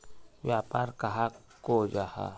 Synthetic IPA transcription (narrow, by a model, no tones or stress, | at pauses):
ʋjaːpaːɾkɐɦa | kod͡ʒaha̰